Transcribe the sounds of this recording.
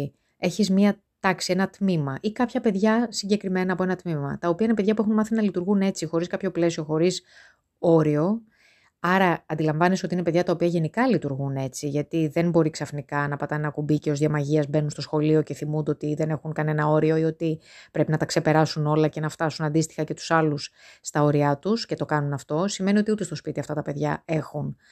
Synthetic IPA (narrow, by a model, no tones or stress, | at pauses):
eçizmiɐ | t̪ɐksie̞nɐt̪mimɐʔikɐpçɐpe̞ðʝɐsiɲɟe̞kɾime̞nɐːpo̞e̞nɐt̪mimɐ̰t̪ɐopiɐinepe̞ðʝɐpuexunmɐθinɐlit̪uɾɣune̞t͡sixo̞ɾiskɐpço̞ple̞sio̞xo̞ɾis | o̞ɾio̞ | ɐɾɐːnd̪ilɐɱvɐnesot̪iinepe̞ðʝɐt̪ɐo̞piɐʝe̞nikɐlit̪uɾɣune̞t͡siʝɐt̪iðe̞nbo̞ɾiksɐfnikɐnɐpɐt̪ɐnɐkubiceo̞zðjɐmɐʝiɐzbe̞nunst̪osxo̞lio̞ce̞θimund̪eot̪iðe̞ne̞xuŋkɐne̞nɐo̞ɾio̞io̞t̪ipɾe̞pinɐt̪ɐkse̞pe̞ɾɐsuno̞lɐce̞nɐft̪ɐsunɐnd̪ist̪i̥xɐce̞t̪u̥sɐlusːt̪ɐo̞ɾiɐt̪usce̞t̪o̞kɐnunɐft̪o̞sime̞nio̞t̪iut̪est̪ospit̪iɐft̪ɐt̪ɐpe̞ðʝɐe̞xun